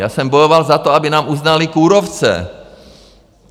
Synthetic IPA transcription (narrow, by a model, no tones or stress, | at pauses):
jaːsɛmbojovalzat̪oabɪnaːmʔuznalɪkuːɾoft͡sɛ̰